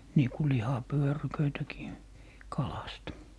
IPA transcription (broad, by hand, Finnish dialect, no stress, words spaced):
niː ku lihɑpyørykøitækiː kɑlɑst